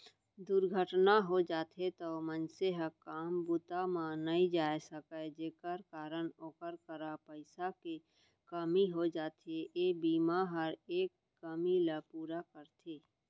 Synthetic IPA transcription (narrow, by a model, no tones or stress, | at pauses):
d̪uɾɡʱəʈnaɦod͡ʒaːt̪ʰet̪omənseɦəkaːmbut̪amãnəĩd͡ʒaːesəkəd͡ʒeːkəɾkaːɾənoːkəɾkəɾapəɪsake | kəmiɦod͡ʒaːt̪ʰeʔebiːmaɦəɾeːkːəmiləpuːɾakəɾt̪ʰeː